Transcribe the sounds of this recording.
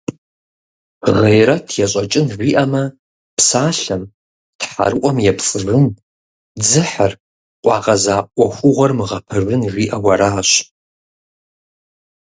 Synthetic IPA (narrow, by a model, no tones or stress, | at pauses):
ʁejɾɐtʰjaɕʼat͡ʃʼɨnʒʷiʔɐmɐ | pʰsaːɬɐm | tħa̰rɨʔʷʼɔmjapʰt͡sʼɨrɨn | d͡zɨħar | qʷʼɑʁɐzaːʔʷaxʷʊʁʷɐrmɨʁɐpʰɨrːɨnʒʷiːʔɐwɐɾaːɕ